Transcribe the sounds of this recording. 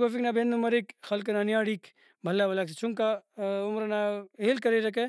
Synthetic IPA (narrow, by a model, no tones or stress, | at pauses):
kofiknaːbʱenumɐɾikxɐlk̬ɐnanijaːɽiːk | bʱɐlːabɐlaːks̬t͡ʃʰuŋkaʊmɾnaɦeːlkɐɾeɾɐk̬e